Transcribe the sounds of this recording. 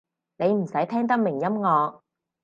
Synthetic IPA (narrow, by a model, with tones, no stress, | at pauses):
ne˨˧jm̩˨˩sɐ˨˥jt̪ʰɛː˥ŋt̪̬ɐ˥k̚mɪ˨˩ŋjɐ˥mŋɔː˨˧k̚